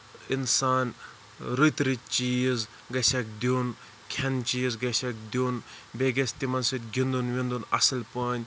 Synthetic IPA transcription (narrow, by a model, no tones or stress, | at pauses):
insaːn | ɾut̪ɾit͡ʃiːz | ɡɐsʲɐk̚d̪uːn | kʰɐnt͡ʃiːzɡɐsʲɐk̚d̪unbeɡest̪imɐnsɨt̪̚ʲɡʱʲind̪unʋind̪unɐ̰sɐlpɐnʲ